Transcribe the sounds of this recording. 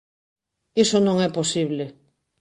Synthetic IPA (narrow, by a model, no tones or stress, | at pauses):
isonõŋɛposiβle